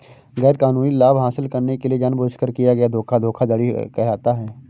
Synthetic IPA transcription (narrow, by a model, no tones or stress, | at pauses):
ɣɛːɾkaːnuːnilaːbɦaːsɪlkɐɾnekelied͡ʒaːnboːt͡ʃkəɾkijaɡɐjad̪ʱoːkʰad̪ʱoːkʰad̪ɐɽikɛɦaːt̪aɦɛː